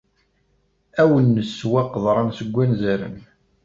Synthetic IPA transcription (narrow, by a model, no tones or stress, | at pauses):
æwənːəsːwæqðˤɾˤɑnsəɡʷːænzæɾə̰n